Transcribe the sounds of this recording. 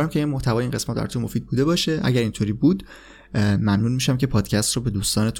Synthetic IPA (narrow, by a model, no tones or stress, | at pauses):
ɾæmcʲʰeinmoht̪ʰævɒːjeiːnɢe̞smæt̪bæ̰ɾt̪ʰumo̞fiːd̪̚buːd̪e̞bɒːʃe̞ʔæ̰ɟæɾint̪ʰoːɾiːbuːd̪ | mæmnuːnmiʃæmce̞pʰɒːd̪̥cʰæst̪rɔːbe̞d̪uːst̪ɒːne̞t̪ʰu